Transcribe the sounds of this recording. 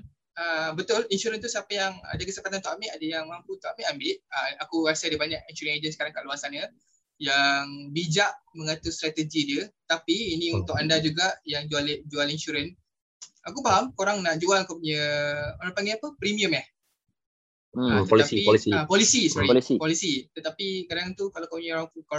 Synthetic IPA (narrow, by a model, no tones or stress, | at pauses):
əbət̪ʊlinʃuɾənt̪usapəjaŋa̰dəkəsəpat̪ant̪ɔʔamɪʔadəjaŋmamput̪ɔamɪʔambɪʔ̚əakuɾasəadəbaɲaʔinʃuɾənad͡ʒənsəkaɾaŋkaʔluasanə | jaŋbid͡ʒaʔmə̃ŋat̪ust̪ɾat̪əd͡ʒidiət̪apiːnĩunt̪ʊkandad͡ʒuɡaʔjaŋd͡ʒuald͡ʒualinʃuɾən | akupaɦamkoɾaŋnaʔd͡ʒualkupuɲəoɾaŋpaŋɡɛapəpɾimiəmah | t̪əlailiapɔlisisɔɾilisipɔlisit̪ət̪apikadaŋt̪ukalakapuɲãoɾaŋkuko